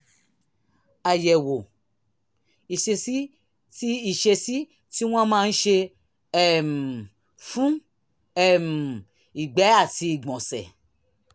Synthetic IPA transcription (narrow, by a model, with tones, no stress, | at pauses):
a˨jɛ˨wo˨ | i˨ʃe˧si˦ | ti˦i˨ʃe˧si˦ | ti˦w̃ã˦mãː˦˧n̩˦ʃe˧ | ɛ˦˨m˨ | fũ˦ | ɛ˦˨m˨ | i˨ɡ͡bɛ˨˦a˦˨ti˧i˨ɡ͡bɔ̃˨sɛ̰˨